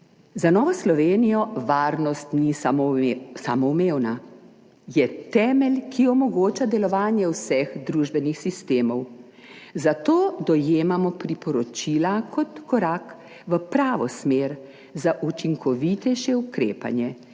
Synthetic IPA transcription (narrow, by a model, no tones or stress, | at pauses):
zanɔːʋɔslɔʋeːnijɔʋaːɾnɔst̪ni | sa̰mɔwmeːwna | jɛt̪ɛːmɛlkʰiɔmɔɡoːt͡ʃad̪ɛlɔʋaːnjɛwsɛxd̪ɾuːʒbɛnixsist̪eːmɔw | zat̪oːd̪ɔjeːmamɔpɾipɔɾɔt͡ʃiːlakʰɔt̪kɔɾaːk | ʋəpɾaːʋɔsmeːɾ | zaʔut͡ʃiŋkʰɔʋit̪ɛjʃɛukɾḛːpa̰njɛ